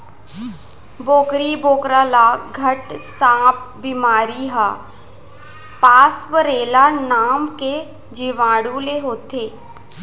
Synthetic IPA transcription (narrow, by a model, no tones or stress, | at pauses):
boːkɾiboːkɾaːlaɡʱəʈsãːp̚bimaːɾiɦa | paːsʋəɾeːlanaːmke | d͡ʒiʋãːɽũleɦoːt̪eː